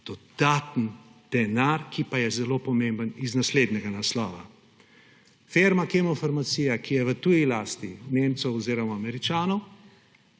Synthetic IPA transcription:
d̪̥ɔd̪̥at̪nd̪̥ɛnaɾkipajɛzɛlopɔmẽmbəniznasleːd̪nɛɡanaslɔːʋa̰ | feːɾmakemɔfaɾmat̪siːjakijɛʋət̪uːjilaːst̪ineːmt̪sɔwɔziːɾɔmaːmɛɾit͡ʃaːnɔw

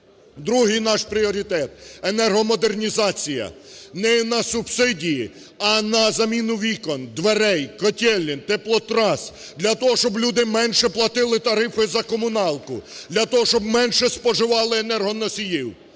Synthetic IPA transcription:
d̪ɾuɦɪjnɑʃpɾʲiɔɾʲit̪ɛt̪enɛrɦɔmɔd̪ernʲizɑt͡sʲijɐ̰nɛnɐsubsɪdʲiji | ɐnɐzɐmʲinʊʋʲikɔnd̪ʋeɾɛjkɔtʲɛlʲːint̪ɛplˠɔt̪ɾɑs | d̪lʲɐt̪ɔɦɔʃt͡ʃɔblʲud̪ɪmɛnʃɛplˠɐt̪ɪlˠɪt̪ɐɾɪfɔjzɐkɔmʊnɑlˠkʊd̪lʲɐt̪ɔɦɔʃt͡ʃɔb̚mɛnʃɛspɔʒɪʋɑlˠɪenɛrɦɔnɔsʲijiw

